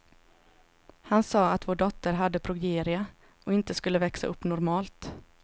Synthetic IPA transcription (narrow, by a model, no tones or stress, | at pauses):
hansɑːat̪voːɖɔt̪ːəɾɦad̪ːəpʰɾʊɡeːɾɪa | ʔɔɪnt̪əskɵlːəvɛksa̰ʔɵpːnɔɾmɑːlt̪